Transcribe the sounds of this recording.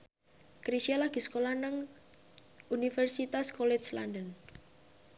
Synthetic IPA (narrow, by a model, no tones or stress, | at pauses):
kɾisialaɡ̥i̤skolanəŋ | unifɛrsit̪askɔlɛt͡ʃlandən